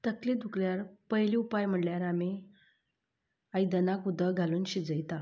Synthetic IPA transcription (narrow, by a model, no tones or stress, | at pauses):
t̪əkled̪ʱukljaɾpəɦiliupajm̤əɽljaɾame | ajd̪ənakud̪ʱəɡʱaluːnɕid͡zəjt̪a